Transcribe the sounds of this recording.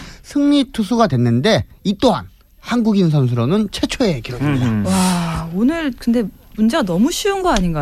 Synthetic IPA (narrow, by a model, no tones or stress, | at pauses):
sʰɯŋɲitʰusʰuɡadwe̞nːɯnde̞it͈oɦa̰n | hanɡuɡins̬ʰʌns̬ʰɯɾonɯnt͡ɕʰe̞t͡ɕʰoekiɾoɡimɲidawaonɯɾkɯnde̞ | mund͡ʑeɡanʌmuɕʰiunɡʌaɲinɡa